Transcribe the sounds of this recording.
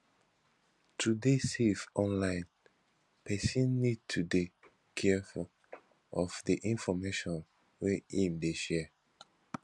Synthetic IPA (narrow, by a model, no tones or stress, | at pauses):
tʰudesevɔ̃nlãɪ̃n | pʰɛsĩnːid̚tʰude | kʰɛfu | ɔfdiʔĩnfɔmeʃɔ̃n | wɛĩmdeʃɛ